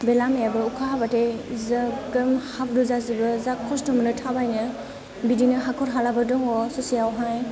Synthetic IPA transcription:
belamjabɯukʰaɦabatezɐɡɯmhap̚ʰduzazibɯzakʰɔstɔmɯnɯtʰabajnɯ | bidinɯɦakʰɔɾɦalabɯdɔŋɔsɔsijawɦaj

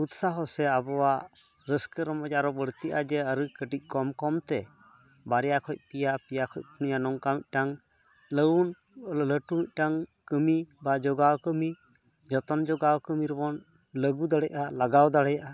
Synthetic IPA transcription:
ut̪saɦɔsɛabɔwaʔ | ɾəskəɾɔmɔcaɾɔbəɽt̪iʔa̰d͡ʒɛəɾɨkəʈic̚ˀkɔmkɔmt̪ɛ | baɾɛjakʰɔc̚pijapijakʰɔc̚ˀpʰunijanɔŋkamic̚ˀʈaŋ | ləwn | ləʈumic̚ˀʈaŋkəmibad͡ʒɔɡawkəmi | d͡ʒɔt̪ɔnd͡ʒɔɡawkəmiɾbɔn | ləɡud̪əɽɛʔalaɡawd̪aɽɛjaʔa

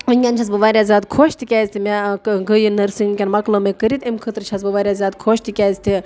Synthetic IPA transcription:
ənʲɡʲant͡ʃʰɐsbɨʋaːɾʲjazʲaːd̪kʰoːʃt̪ʰikʲaːzʲt̪ʰimʲaɡɨjinɐɾsɨŋkʲɐnmɐklomekɨɾit̪imkʰɨt̪ɾt͡ʃʰɐsbɨʋaːɾʲjaːzʲaːd̪kʰoːʃt̪ʰikʲaːzt̪ʰi

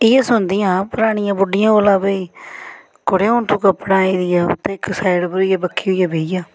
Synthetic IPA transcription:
ɪaːsʊnd̪ɪjãːpəɾaːɽ̃ɪjãːbʊɖɪjãːoːlãːbəiː | koɽeːont̪ʰũːkəpːɽãːiːd̪ɪjaːʊ̰t̪ʰːeːɪksaːɪɖpəɾjaːbəkʰːiːɦʊjaːbeːijaː

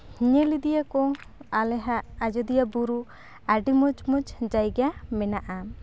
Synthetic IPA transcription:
hiɲɛlid̪ijakɔalɛɦaʔːd͡ʒɔd̪ijabuɾu | aɾɖimɔd͡ʒmɔd͡ʒd͡ʒajɡamɛnaʔa

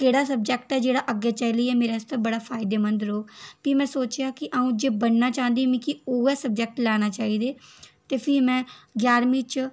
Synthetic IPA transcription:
keːɽaːsəb̚d͡ʒɛk̚ʈɛːd͡ʒeːɽaːʔəɡeːt͡ʃːliːɛːmeːɾeːst̪ãbəɽaːpʰaːɪd̪eːmənd̪ɾoːkpiːmɛ̃ːsoːt͡ʃjaːkɪʔaːũːd͡ʒeːbənnaːt͡ʃãːnd̪emĩːkɪoːɛːsəb̚d͡ʒɛk̚ʈlɛːñaːt͡ʃaːiːd̪eːt̪eːpʰɪmɛ̃ːɡjaːɾmĩːt͡ʃ

